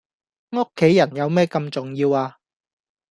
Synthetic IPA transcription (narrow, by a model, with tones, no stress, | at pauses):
ŋo˥kʰːe˨˥jːɐ˨˩njɐ˨˧wmɛː˥kɐ˧mt͡sʊ˨˩ŋjiː˧waː˧